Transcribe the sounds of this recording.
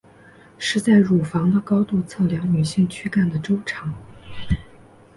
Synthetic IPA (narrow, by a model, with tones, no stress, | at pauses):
ʂɻ̩˥˧t͡sa˥˩ɪɻu˨˩fɑ˧˥ŋd̪ə˧kɑ˥ʊt̪u˥˧t͡sʰɤ˥˩ljɑ˧˥ŋny˨˩ɕi˥˩ŋt͡ɕʰy˥ka˥˩nd̪ə˩ʈ͡ʂo˥ʊʈ͡ʂʰɑ˧˥ŋ